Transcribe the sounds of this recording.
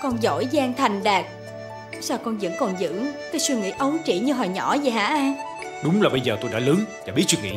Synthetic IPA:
kɔ˧nzo̰˧˥jzaː˧ŋt̪ʰa˨˩jŋ̟ɗaː˨˩k̚ | saː˧wkɔ˧nzɨ̰˧˥ŋkɔ˨˩nzɨ̰˧˥kaː˨˦swi˧ŋḭ˧˥ʔə˨˦wŋ͡mt͡ɕḭ˧˩˥ɲɨ˧ɦɔː˨˩jɲɔ̰˧˩˥zəː˨˩ɦa̰ː˧˥ʔaː˧ŋ | ɗʊ˨˦ŋ͡mlaː˨˩ɓə˧jzəː˨˩t̪o˧jɗa̰ː˧˥lɨ˨˦t͡ɕaː˧˩ɓi˦˥ət̚wi˧ŋḭ˧˨˥

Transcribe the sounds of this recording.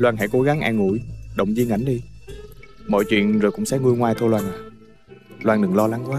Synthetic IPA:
lwaː˧nɦa̰˧˥jko˨˦ɣa˨˦ŋʔɛ˧ŋṵ˧˩˥jɗə̰˧˨wŋ͡mzi˧əŋa̰˧˩˦ŋɗi˧ | mɔ̰˧˨jt͡ɕwḭ˧˨ənzo˨˩kʊ̰˧˥ŋ͡msɛ˧˥ŋu˧əjŋwaː˨˧jt̪ʰo˧jlwaː˧naː˨˩ | lwaː˧nɗɨ˨˩ŋlɔ˧la˨˦ŋkwaː˨˦

